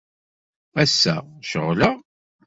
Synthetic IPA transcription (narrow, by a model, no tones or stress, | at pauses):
æsːæ̰ʃəʁːlə